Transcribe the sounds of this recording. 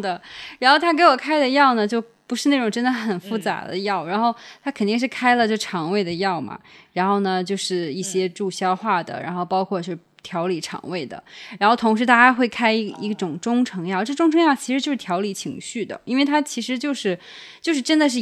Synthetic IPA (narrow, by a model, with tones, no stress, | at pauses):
d̪ə˩ɻa˧˥nxo˥˩ʊt̪ʰa˥ke˧˥ɪwɔ˨˩kʰa˥ɪd̪ə˨jɑ˥˩ʊnə˩t͡ɕjo˥˩ʊpu˧˥ʂɻ̩˥˧na˥˩ʈ͡ʂʊ˨˩ŋʈ͡ʂə˥nd̪ə˨xə˨˩nfu˥˩t͡sa̰˧˥d̪ə̰˧jɑ˥˩ʊɻa˧˥nxo˥˩ʊt̪ʰa˥kʰə˨˩nt̪i˥˧ŋʂ̬ɻ̩˥˩kʰa˥ɪlə˨t͡ɕjʈ͡ʂʰɑ˧˥ŋwe˥˩ɪd̪ə˩jɑ˥˩ʊmɐ̰˩ɻa˧˥nxo˥˩ʊnə˩t͡ɕjo˥˧ʊʂɻ̩˥˧i˥˩ɕjɛ˥ʈ͡ʂu˥˩ɕjɑ˥ʊxwa˥˩d̪ə̰˩ɻa̰˧˥nxo˥˩ʊpɑ˥ʊkʰwɔ˥˧˩t͡ɕo˥˧˩t̪ʰjɑ˧˥ʊli˨˩ʈ͡ʂʰɑ̰˧˩ŋwe˥˩ɪd̪ə̰˩ɻa˧˥nxʊt̪ʰʊ˧˥ŋʂ̬ɻ̩˧˥t̪a˥˩t͡ɕja˥xwe˥˩ɪkʰa˥ɪ˥ḭ˧˥ɡʈ͡ʂʊ˨˩ŋʈ͡ʂʊ˥ŋʈ͡ʂʰɤ˧˥ŋjɑ˥˩ʊʈ͡ʂɤ˥˩˧ʈ͡ʂʊ˥ŋʈ͡ʂʰɤ˧ŋjɑ˥˩t͡ɕʰi˧˥ʂɻ̩˧˥t͡ɕjo˥˧ʊʂ̩˥˩t̪ʰjɑ˧˥ʊli˨˩t͡ɕʰḭ˧˥ŋɕy˥˩d̪ə̰˩i˥nwe˥˩ɪt̪ʰa˥t͡ɕʰi˧˥ʂɻ̩˧˥t͡ɕjo˥˧ʊʂɻ̩˥˩ | t͡ɕjo˥˧ʊʂɻ̩˥˩˧ʈ͡ʂə˥nd̪ə˨ʂ̬ɻ̩˥˩